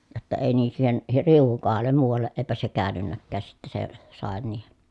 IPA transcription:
jotːɑ eˑi niː siːhen riuʋ̆uŋ kohɑlːem muːʋɑlːeʔ ʔeːpæ se kæːnynːækːæːs sitːe se sɑˑen niːhen̥

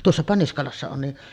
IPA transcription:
tuosːɑpɑ niskɑlɑsːɑ on ni

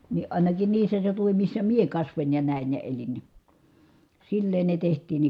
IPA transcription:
ni ʔɑˑinɑkin niːsːæ seutuʋim misːæ mie kɑsʋonʲ jɑ næˑin jɑ elin ni silːeːn ne tehtˑiːn ne

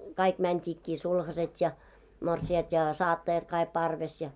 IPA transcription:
kɑik mæntʲiːkːiː sulhɑset jɑ morsiɑt jɑ sɑːtːɑjɑt kɑik pɑrʋes jɑ

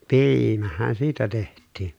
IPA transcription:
piːimæhæn siːtæ tehtˑiːn

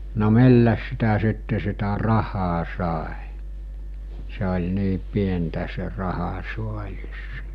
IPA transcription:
no milːæs sitæ sitːe sitæ rɑhɑː sɑˑe se olʲ niː pientæ se rɑhɑsuɑlʲis

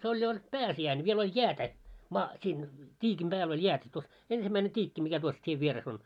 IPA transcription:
se olʲ jo olʲ pæːsiæin ʋiel olʲ jæːtæ mɑː siːn tʲiːkim b̥æːl olʲ jæːtæ tuos ensimːæine tʲiːkːi mikæ tuos tieʋ ʋieres on

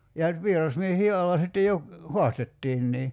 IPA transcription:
jɑ ʋierɑsmiehiː ɑlːɑ sitːe jo hoɑstetːiːnːiː

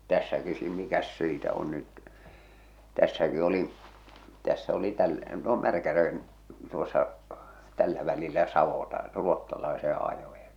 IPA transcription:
tæsːæki siː mikæs siːtæ on nyt tæsːæki olin̞ tæsːæ oli tæl no mærkæj̆æ̆rʋen tuosːɑ tælːæ ʋælilːæ sɑʋotɑ ruotːɑlɑesẽː ɑjojɑ̥

